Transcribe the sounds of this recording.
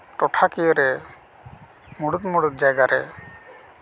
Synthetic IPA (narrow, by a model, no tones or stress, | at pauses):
ʈɔʈʰakijɔɾɛ | muɽut̪muɽut̪̚d͡ʒajɡaɾɛ̰